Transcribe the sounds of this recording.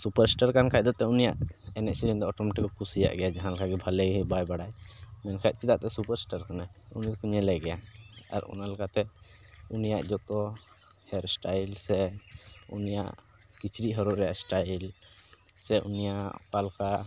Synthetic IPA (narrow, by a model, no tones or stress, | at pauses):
supəɾsʈaɾkankac̚d̪ɔt̪ɛunijaʔɛnɛʔsiɾind̪ɔɔʈɔmɛʈikɔkusija̰ʔɡɛjad͡ʒaɦãlakaɡɛbʱalɛɡɦɛbajbaɽajmɛnkʰac̪̚t͡ʃit̪aʔt̪ɛsupaɾsʈaɾkanajṵnijkuɲɛlɛɡɛjaa̰ɾṵnalɛkʰat̪ɛ | unija̰ʔd͡ʒɔt̪ɔ | hɛɾsʈajlsɛ | ṵnija̰ʔkit͡ʃɾiʔɦɔɾɔʔɾɛja̰ʔsʈajl | sɛʔṵnijaʔʔkalka